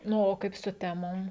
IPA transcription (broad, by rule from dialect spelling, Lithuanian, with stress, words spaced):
ˈnʊ oː ˈkɐɪp sʊ ˈtʲæːmoːm